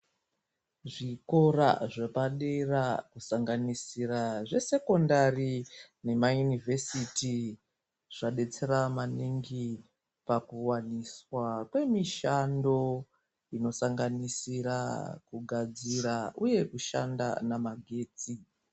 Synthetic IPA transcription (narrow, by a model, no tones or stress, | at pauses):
ʐiko̞ra̰ʐepaɗerakusaŋɡanisiraʐe̞se̞ko̞ndarine̞majunivʱesiti | ʐ̥aɗe̞t͡seɾamaniŋɡi | pakuwaniswakwe̞miʃando̞ | ino̞saŋɡanisiɾa̰kuɡʱad͡ziɾaʔuje̞kuʃa̰nda̰namaɡʱe̞ːt͡si